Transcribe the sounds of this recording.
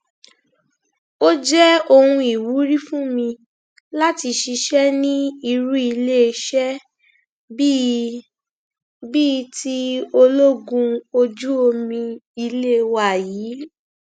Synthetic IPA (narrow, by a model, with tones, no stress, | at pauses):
o˦d͡ʒɛ˦o˧hũ˧i˨wu˨˦ɾi˦fũ˦mĩ˧ | la˦ti˧ʃi˧ʃɛ˦nĩ˦i˧ɾu˦i˧le˦˧ʃɛ˦ | bi˦ti˦o˧lo˦ɡũ˧o˧d͡ʒu˦o˧mĩ˧i˧le˦˧wa˦˨jiː˨˦